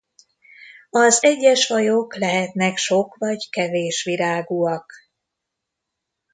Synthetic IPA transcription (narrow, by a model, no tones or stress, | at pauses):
ɒzɛɟːɛʃfɒjoklɛɦɛt̪nɛkʃo̞kvɒɟkɛveːʃʋiɾaːɡuɒk